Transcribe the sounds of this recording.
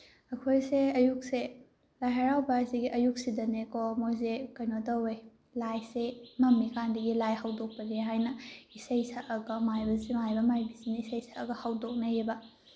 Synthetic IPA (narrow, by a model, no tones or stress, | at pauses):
ɐkʰojseɐjuk̚se | lajɦɐɾawbɐɐsiɡiʔɐjuk̚sidɐnekomojzekɐjnotɐwej | lajsemɐmːikandɐɡilajhawdok̚pɐleɦajnɐisɐjsɐʔɐɡɐmajbɐzimajbɐmajbisinɐisɐjsɐːɡɐhawdok̚nɐjebɐ